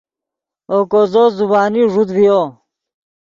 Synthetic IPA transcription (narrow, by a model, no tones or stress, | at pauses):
okozozubaːniʐud̪vijo